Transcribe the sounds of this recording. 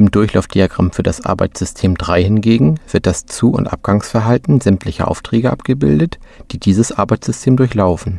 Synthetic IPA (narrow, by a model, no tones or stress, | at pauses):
ʔɪmdʊɐçla̰ʊfd̥iaɡʁa̰mfyːɐdasʔa̰ɐba̰ɪt͡sz̥ʏstʰeːmdʁaɪhɪnɡeːɡŋ̩v̥ɪɐt̚d̥ast͡suːʊ̰ntʔa̰p̚ɡ̥aŋsfɛɐɦaltn̩zɛmtlɪçɐ̰ʔa̰ʊftʁ̥ɛːɡəʔa̰pɡ̥əbɪ̰ldətd̥iːdiːzəsʔa̰ɐbaɪt͡sz̥ʏstʰeːmdʊɐçlaʊfn̩